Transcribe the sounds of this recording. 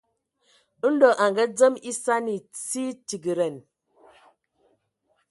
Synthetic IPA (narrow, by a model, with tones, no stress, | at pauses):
n̩˦dɔ˨ʔa˨ŋɡə˦d͡zə˦mi˦sa˦ni˨t͡si˦ti˨ɡi˨ɾɛ˨n